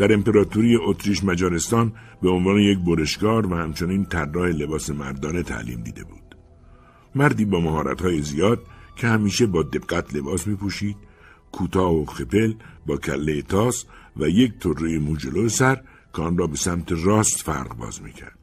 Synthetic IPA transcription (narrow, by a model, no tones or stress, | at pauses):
d̪̥æɾe̞mpe̞ɾɒːt̪ʰuɾijeʔot̪ʰɾiːʃmæd͡ʒɒːɾe̞st̪ɒːn | beonvɒːneje̞k̚boɾe̞ʃkɒːɾvæhæmt͡ʃʰo̞niːnt̪ʰærːɒːhe̞le̞bɒːse̞mæɾd̪ɒːne̞t̪ʰæ̰ʔlḭːmd̪ḭːd̪e̞̰bṵːd̪̥ | mæɾd̪iːbɒːmæhɒːɾæ̰t̪hɒːjezijɒːd̪̥̚cʰe̞hæmiːʃe̞bɒːd̪e̞b̥ɡ̥æt̪ʰle̞bɒːsmiːpʰuʃiːd̪̥̚ | kʰuːt̪ʰɒːhoxe̞pe̞lbɒːcʰæ̰lːejet̪ʰɒːsvæje̞kt̪ʰorːejemuːd͡ʒeloesæɾ | cʰeɒːnrɒːbe̞sæmt̪ʰe̞rɒːst̪fæ̰ɾʁbɒ̰ːzmḭːcʰæ̰ɾd̪̥